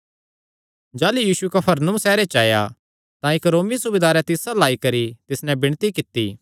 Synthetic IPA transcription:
d͡ʒaːlujiːsuekɐpʰɐɾnʊ̃msɛːɾet͡ʃaːja̰ | t̪ãɪkɾoːmisʊbed̪aːɾɛ̃t̪ɪsalaːikɐɾit̪ɪsnɛ̃bɪɽ̃t̪ikɪt̪ːḭː

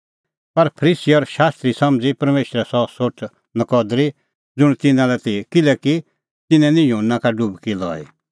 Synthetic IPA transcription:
pɐɾpʰəɾiːsiɔɾʃaːst̪ɾisɐmd͡zipɐɾmeːʃɾɛsɔsoʈʰ | nɐkɔd̪ɾi | d͡zʊɽ̃t̪ɪnãlɛt̪ikɪlɛki | t̪ɪnɛ̃nĩjunːakaɖʊbkilɔ̰ːḭ

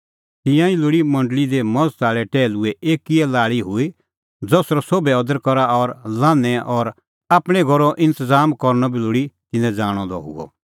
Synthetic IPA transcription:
t̪ɪ̃jãilʊɽimɐ̃ɳɖlid̪emɔ̃d͡zsaːɭɛʈɛːlʊɛʔeːkiɛlaːɭiɦʊi | d͡zɔːsɾɔsoːbɛɔd̪əɾkɔɾaɔɾlãːnːɛʔɔɾ | aːpɽ̃ɛɡʱɔɾɔʔɪ̃nt̪əzaːmkɔɾnɔbilʊɽit̪ɪ̃nɛ̃d͡zaːɽ̃ɔd̪ɔ̰ɦʊ̰ɡɔ̰

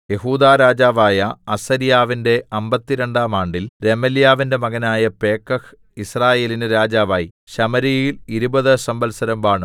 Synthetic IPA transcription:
je̞ɦuːd̪aːɾaːd͡ʑaːʋaːjɐɐsɐɾijaːʋinde̞ɐmbɐt̪ːiɾeɳɖaːmaːɳɖilɾemɐljaːʋinde̞mɐɣɐnaːjɐpe̞ːkːɐk | israːje̞ːlinɨɾaːd͡ʑaːʋaːjiɕɐmɐɾijiliɾubɐðɨsɐmbɐlsɐɾɐmbaːɳɨ

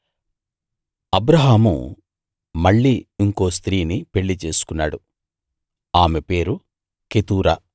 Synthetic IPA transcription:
ɐbɾɐɦaːmṵ | mɐɭːiːiŋko̞ːst̪ɾiːnipe̞ɭːit͡ʃe̞ːsu̥kunːa̰ːɽu | aːme̞pe̞ːɾu | ket̪uːɾaː

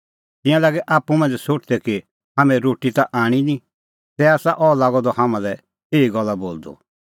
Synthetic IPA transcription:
t̪ɪ̃jãlaːɡɛʔaːpumãːnd͡ʒɛsoʈd̪ɛki | hãːmɛ̃ɾoːʈit̪aʔaːɽ̃inĩ | t̪ɛaːsaʔɔːlaːɡɔd̪ɔhamãlɛ | eːiɡɔlːaboːld̪ɔ̰

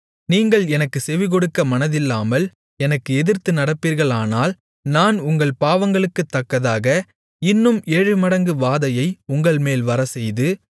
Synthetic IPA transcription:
niːŋɡɐɭɛnɐkːɯsɛʋɪɣɔɽɯkːɐmɐnɐðɪlːaːmɐl | ɛnɐkːɯɛðɪɾt̪ɯnɐɽɐpːiːɾɣɐɭaːnaːl | naːnʊŋɡɐɭpaːʋɐŋɡɐɭɯkːɯt̪ːɐkːɐðaːɣɐ | ɪnːɯmeːɻɯmɐɽɐŋɡɯʋaːðɐjɐɪʊŋɡɐɭmeːlʋɐɾɐsɛjðɯ

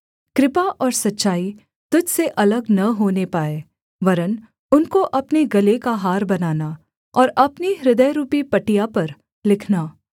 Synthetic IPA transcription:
kɾɪpaʔɔːɾsɐtːʃaːi | t̪ʊd͡ʒseʔɐləɡnɐɦoːnepaːeː | ʋɐɾən | ʊnkoʔɐpneɡɐlekaɦaːɾbɐnaːna | ɔːɾɐpniɾɪd̪əjɾuːpipɐʈijapɐɾ | lɪkʰnaː

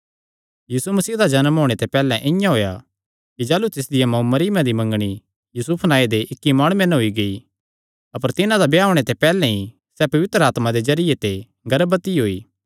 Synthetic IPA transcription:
jiːsumɐsiːd̪ad͡ʒɐnmɦoːɽ̃et̪ɛpɛːlɛ̃ʔɪjãɦoːja | kid͡ʒaːlut̪ɪs̬d̪ɪjamɐumɐɾiːmãd̪imɐ̃ŋɡɽ̃i | juːsʊpʰnaːed̪eʔɪkːimaːɽ̃uẽnɦoiɡɐi | ɐpəɾt̪ɪnãd̪abeaːʊɽ̃et̪ɛpɛːlɛ̃i | sɛpɐʋɪt̪ɾəaːt̪mad̪ezɐɾɪjet̪e | ɡɐɾbət̪iɦoːiː

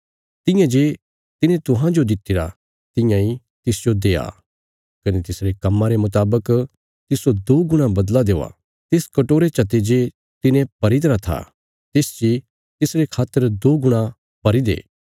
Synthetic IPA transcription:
t̪ɪ̃jãd͡ʒeː | t̪ɪnẽt̪ʊɦãd͡ʒod̪ɪt̪ːɪɾa | t̪ɪ̃jãi | t̪ɪsd͡ʒod̪eːa̰ | kɐnet̪ɪsɾekɐmːãɾemʊt̪aːbək | t̪ɪsod̪oːɡʊɽ̃ãbɐd̪lad̪eːa̰ | t̪ɪskɐʈoːɾet͡ʃɐt̪ed͡ʒe | t̪ɪnẽpɐɾit̪ɾat̪ʰa̰ | t̪eːsd͡ʒi | t̪ɪsɾekʰaːt̪ːəɾd̪oːɡʊɽ̃ã | pɐɾid̪ḛː

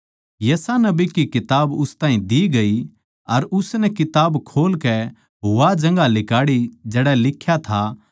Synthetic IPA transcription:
jɐsanɐbikikɪt̪aːbʊst̪aːɦĩd̪iɡɐi | ɐɾʊsnɛkɪt̪aːbkʰoːlkɛ | ɦʊʋad͡ʒɐ̃ŋɡalɪkaːɽid͡ʒɛːɽɛlɪkʰːjat̪ʰa

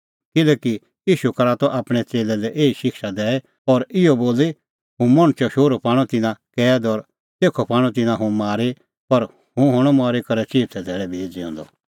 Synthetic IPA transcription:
kɪlɛːki | jiːʃukɐɾaːt̪ɔʔaːpɽ̃ɛt͡seːlɛlɛʔeːiʃɪkʃad̪ɛːɛ | ɔːɾɪɔboːli | ɦũmɐɽ̃ʊt͡ʃɔʃoːɾopaːɽ̃ɔt̪ɪnãkɛːd̪ɔːɾ | t̪eːkʰopaːɽ̃ɔ̃t̪̬ɪnãɦũmaːɾe | pɐɾ | hũɦʊ̃ɽ̃ɔmaːɾikɐɾɛt͡ʃiːt̪ʰɛd̪ʱɛːɭɛbʱeːd͡zɪɔ̰̃nd̪ɔ̰

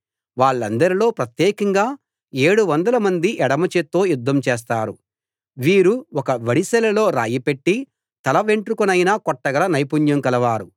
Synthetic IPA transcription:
ʋaːɭːɐnd̪ɐɾilo̞ːpɾɐt̪jɛːkɐŋɡaː | e̞ːɽuʋɐnd̪ɐlɐmɐnd̪iʔɛɽɐmɐt͡ʃet̪ːo̞ːjud̪ːɐmt͡ʃeːs̬t̪aːɾu | ʋiːɾuɔkɐʋɐɽisɛlɐlo̞ːɾa̰ːjipeʈːi | t̪ɐlɐʋeɳʈɾukunɐjnaːkɔʈːɐɡɐlɐnɐjpuɲjɐmkɐlɐʋaːɾu

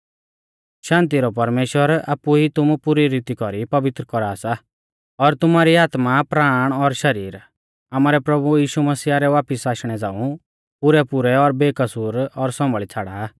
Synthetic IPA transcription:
ʃãːnt̪iɾɔpɐɾmeːʃwəɾa̰ːpːuɦit̪ʊmupʊɾiɾit̪ikɔɾipɐʋɪt̪ɾəkɔɾaːsa | ɔɾt̪ʊmaɾiaːt̪mapɾaːɽ̃ɔɾʃɐɾiːɾ | amaːɾɛpɾɐbujiːʃumɐsiːaɾɛʋaːpɪsaːʃɽ̃ɛd͡zãːũ | pʊɾɛpʊɾɛɔɾbeːkɐsuːɾɔɾsɔ̃mbəɭit͡sʰaːɽa̰

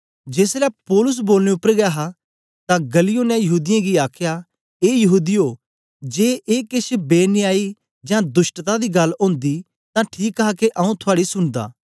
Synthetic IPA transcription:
d͡ʒeːslɛpɔːlʊs̬boːlneʊpːəɾɡjaːɦa | t̪ãɡɐlijoːnɛ̃jɐɦuːd̪ɪjãɡiaːkʰjaː | eːjɐɦuːd̪ioː | d͡ʒeːʔeːkɪʃbeːniaːi | d͡ʒãːd̪ʊsʈt̪ad̪iːɡɐlõːnd̪i | t̪ãʈʰiːkakeʔɐũt̪ʰʊaːɽisʊnd̪a̰ː

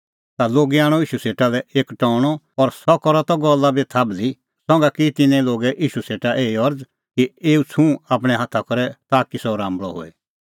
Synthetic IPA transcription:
t̪aloːɡiaːɽ̃ɔiːʃuseːʈalɛeːkʈɔːɽ̃ɔ | ɔɾsɔkɔɾɔt̪ɔɡɔlːabit̪ʰaːbli | sɔ̃ŋɡakit̪ɪnɛ̃loːɡɛʔiːʃuseːʈaʔeːiɔɾd͡z | kieːut͡sʰũaːpɽ̃ɛɦaːt̪ʰakɔɾɛt̪aːkisɔɾãːmbɭɔ̰ɦo̰ːḛ

